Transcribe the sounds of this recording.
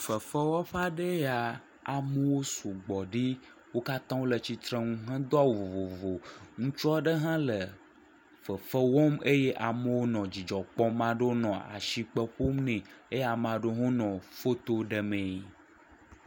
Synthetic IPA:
fə˨fə˦wɔ˦ɸa˦ɖə˦ja˨ | a˨mə˦wo˦so˨ɡ͡bɔ˨ɖi˦ | wo˦ka˦t̪ã˦wo˦lə˨t͡ɕi˨t̪ɾe˦ŋũ˦ɦə̃˦d̪ɔ˦a˦wo˨vo˨vo˨vo˨ŋũ˦t͡ʃu˦a˦ɖə˦ɦã˦lə˨ | fə˨fə˦wɔ˦me˦je˦ʔa˨mə˦wo˦nɔ̃˨d͡ʑi˨d͡ʒɔ˨k͡pɔ˦mã˦ɖo˦nɔ̃˨a̰˨ʃi˨k͡pə˦ɸo˦mnɛ̃˨e˦ja˨mã˨ɖo˦ɦõ˦nɔ̃˨fo˦t̪o˦ɖə˨mẽ˨˦˨

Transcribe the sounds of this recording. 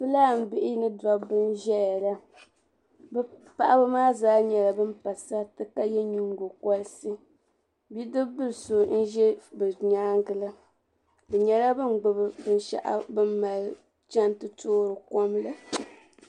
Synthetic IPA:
bɨ˦laː˦˨m̩˨bɪ˦ʔɪ˦nɨ˦da˦bɨ˦n˦ʒɛ˦a˨la˦ | bɛ˦pa˦˨ʔa˦bɨ˦maː˦zaː˦ɲɛ˨la˨bɨ˦m˦pa˨sa˦tɨ˦ka˦jɛ˦ɲu˦ŋɡo˨kɔ˦lsɨ˦ | bi˦dɨ˦bɨ˦lso˨n̩˦ʒɛ˦bɨ˨ɲaː˦ŋɡɨ˨la˦ | bɨ˨ɲɛ˨la˦bɨ˦n˨ɡ͡bʊ˨bɨ˨bɨ˦n˦ʃa̰˨ʔa̰˨bɨ˦mma˨lɨ˦ | t͡ʃa˦ntɨ˦toː˦ɾɨ˨kɔ˦mla˨

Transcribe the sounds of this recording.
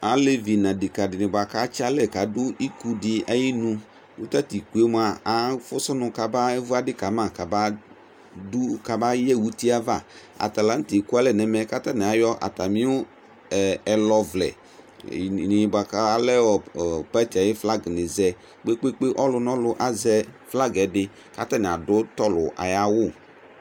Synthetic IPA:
a˨le˦vi˨nã˨dɪ˨ka˨dɪ˨nɪ̃˨ba˨ka˦t͡ʃa˦lɛ˨ka˨dʊ˦ʔi˦ku˦dɪ˨a˨ji˦nũ˦ | wu˦t̪a˦t̪i˨k͡pu˨e˦m˨˦a˨a˨fʊ˦sʊ˦nʊ̃˨ka˨ba˦vu˦a˦dɪ˦ka˨mã˨ka˨ba˦ | du˦ka˨ba˦jɛ˦˨wu˦t̪i˦a˦va̰˦˨ | a̰˨t̪a˨la˦ŋ̩˦t̪i˨ku˦a˦lɛ˨nɛ˨mɛ˨˦ka˦t̪a˦nɛ˨a˨jɔ˦ʔa̰˨t̪a˨mĩ˦wʊ˦˨ | ɛ˨lɔ˦vlɛ̰˨ | nɪ˨ba˨ka˦a˨lɛ˦wɔ˨pɛ˦t͡ʃa˨jɪ˦fla˦ɡnɪ˨zɛ˦ | k͡pe˦k͡pe˦k͡pe˦ʔɔ˦lʊ˦nɔ̃˦lʊ˦ʔa˨zɛ˦fla˦ɡɛ˨˦dɪ˦ | ka̰˨t̪a˦nɪ˨a˨dʊ˦t̪ɔ˦lʊ̰˨ʔa̰˨ja˦wʊ˦˨

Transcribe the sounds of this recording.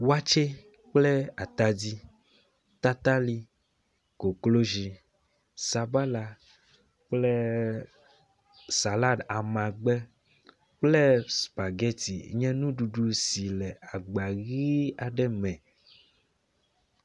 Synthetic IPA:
wa˦t͡ʃe˦ | k͡ple˦a˨t̪a˨di˦ | t̪a˦t̪a˦li˦ | ko˨klo˦ʒi˨ | sa˨ba˦la˨ | k͡ple˦ | sa˨la˦da˨mã˨ɡ͡bɛ˦ | k͡ple˦spa˨ɡɛ˦t̪ḭ˨ɲɛ̃˦nũ˦ɖu˨ɖu˨si˨lɛ˨a˨ɡ͡ba˨ɣi˦a˨ɖɛ˦mɛ̃˨

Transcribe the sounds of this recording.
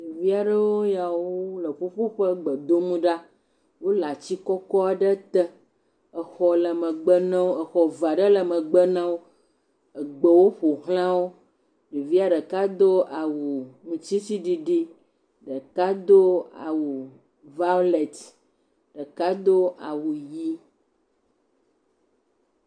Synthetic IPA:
ni˨vi˦a˨ɖə˦wo˦ja˨wo˦lə˨ɸo˦ɸo˦ɸə˦ɡ͡bə˨d̪o˦mũ˦ɖa˦ | wo˦la˨t͡ɕi˦kɔ˦kɔ˦a˨ɖə˦t̪ə˦ | ə˨xɔ˨lə˨mə̃˨ɡ͡bə˦nã˦wo˦ə˨xɔ˨va˨ɖə˦lə˨mə̃˨ɡ͡bə˦nã˦wo˦ | ə˨ɡ͡bə˨wo˦ɸo˨ɦl̃ã˦wo˦ | ɖi˨vi˦a˦ɖə˨ka˦d̪o˦a˨wu˨ŋũ˨t͡ɕi˦si˦ɖi˦ɖi˦ | ɖə˨ka˦d̪o˦a̰˨wu˨ | va˦lɛ˨t̪ | ɖ̥ə˨ka˦d̪o˦ʔa˨wu˨ji˦

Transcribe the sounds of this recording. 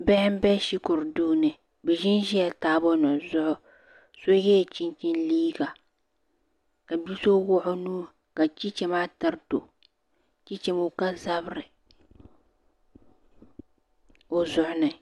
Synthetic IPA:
bɛ˦hɪ˦m˦bɛ˦ʃi˦kʊ˨ɾduː˦nɨ˨ | bɛ˨ʒɪ˦nʒi˦a˨taː˦bɔ˦nɔ˨zʊ˦ʔʊ˦ | so˦jɛ˦˨t͡ʃi˦nt͡ʃi˦nliː˦ɡa˨ | ka˨bi˦so˦wʊ˦ʔʊ˦nuː˦ | ka˨t͡ʃi˦t͡ʃɛ˨ma˦ta˦ɾto̰˨ | t͡ʃi˦t͡ʃɛ˨mo˦ka˦za˦bɾɨ˨ | o˨zʊ˨ʔʊ˨nɨ˨

